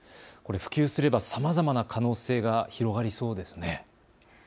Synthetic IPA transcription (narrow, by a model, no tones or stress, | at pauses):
ko̞ɾe̞ɸɯ̟̥kʲɨːsɨɾe̞basamazamanakʰano̞ːse̞ːɡaçiɾo̞ɡaɾʲiso̞ːd̪e̞sɨ̥ne̞